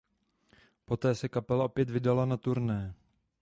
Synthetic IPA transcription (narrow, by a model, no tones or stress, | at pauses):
po̞t̪ɛːsɛkapɛlaʔo̞pjɛt̪vɪdalanat̪uɾnɛː